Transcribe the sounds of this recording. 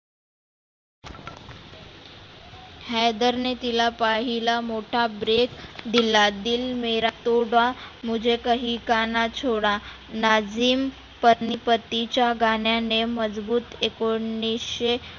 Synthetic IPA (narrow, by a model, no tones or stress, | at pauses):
hɛd̪əɾnet̪ilapaɦilamoʈʰabɾekd̪ilad̪ilmeɾat̪oɽʋam̤əd͡ʑekəɦikanat͡ɕʰoɽa | nad͡ziːm | pənipət̪ːit͡ɕjaɡaɳjaneməd͡zbuːt̪ekoɳːisɕe